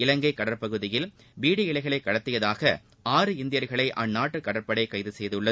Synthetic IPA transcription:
ɪlɐŋɡɐɪkːɐɽɐɾpɐɣɯðɪjɪl | biːɽiɪlɐɪɣɐɭɐɪkːɐɽɐt̪ːɪjɐðaːɣɐ | aːɾɯɪnd̪ɪjɐɾɣɐɭɐɪʔɐnnːaːʈːɯkːɐɽɐɾpɐɽɐɪkɐjðɯsɛjðɯɯɭːɐ

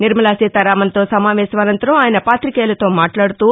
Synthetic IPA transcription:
niɾmɐlaːsiːt̪ɐɾaːmɐnt̪o̞ːsɐmaːʋɛːsɐmɐnɐnt̪ɐɾɐmaːjɐnɐpaːt̪ɾikeːlɐt̪o̞ːmaːʈlaːɽut̪uː

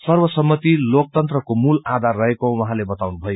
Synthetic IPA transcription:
sʌrbʌsʌmːʌt̪ilok̚t̪ʌnt̪rʌkomulad̪ʱarːʌɦekõwʌɦãlebʌt̪awnubʱʌjo

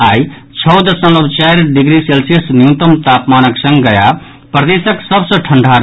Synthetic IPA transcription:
aj | t͡ʃʰʌwd̪əsə̃ləbt͡ʃajɾɖiɡɾiselsijəsnjut̪əmt̪apmanəksə̃ŋɡɡəja | pɾəd̪esəksəbsəʈʰəɳɖʱaɾ

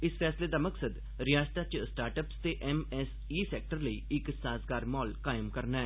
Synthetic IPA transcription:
ɪspʰɛːsleːd̪aːməksəd̪ | ɾɪjaːst̪aːt͡ʃsʈaːɾʈəpst̪eːʔɛːmɛːs | iːsɛːk̚ʈəɾləiːɪksãːsɡaːɾmɔːlkaːjəmkəɾnaːɛ

